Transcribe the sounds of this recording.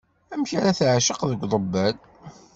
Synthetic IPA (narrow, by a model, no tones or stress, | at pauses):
æmçaɾaθʕaʃəqðəɡʷðˤəbːæl